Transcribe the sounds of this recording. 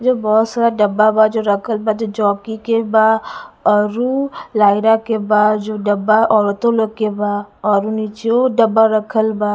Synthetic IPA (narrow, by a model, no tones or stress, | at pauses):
d͡ʒobɔːt̪saːɾaɖəbabad͡ʒoɾəkʰəlbad͡ʒod͡ʒɔːkikebaɔɾulaːɪɾakebaːd͡ʒoɖɐbaʔɔːɾt̪olokebaɔɾunit͡ʃoɖəbaɾəkʰəlbaː